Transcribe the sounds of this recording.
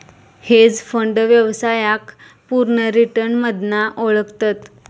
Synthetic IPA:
hed͡zfəɳɖʋjəʋsajak | puɾɳəɾiʈəɾnməd̪naʔoɭəkt̪at̪

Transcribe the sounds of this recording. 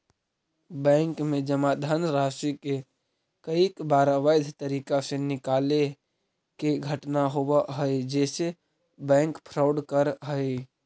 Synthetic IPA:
bɛ̃ŋkmẽd͡ʒəmad̪ʱanɾaːsike | kəikbaːɾaʋaɪd̪ʱt̪əɾiːkasenɪkale | keɡʱəʈnaɦobaɦəjd͡ʒɛːse | bɛ̃ːŋkpʰɾaʊɖkəɾɦəɪ

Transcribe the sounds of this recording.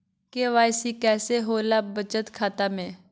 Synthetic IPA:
keʋaːjsikɛːseɦoːlaːbət͡ʃət̪kʰaːt̪aːmẽː

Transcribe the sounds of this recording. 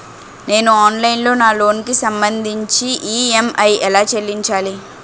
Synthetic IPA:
ne̞ːnuaːnlɐjnlo̞ːnaːlo̞ːnkisɐmbɐnd̪ʱiɲt͡ʃiʔiːemɐjɛlaːt͡ʃelːiɲt͡ʃaːli

